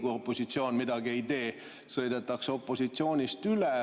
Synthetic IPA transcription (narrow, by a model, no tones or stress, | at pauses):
ɡ̥uo̞pːˑo̞sit̪sio̞ːnmid̪ɑɡ̥ie̞jt̪e̞ː | sɤ̞jd̪et̪ːˑɑkso̞pˑːo̞sit̪sio̞ːnʲist̪yle